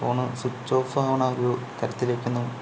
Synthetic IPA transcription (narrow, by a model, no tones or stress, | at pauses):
oːɳɨsut͡ɕːoːfɐɦɐʋɐɳaːrot̪ɐɾɐt̪ːilekʲːunːu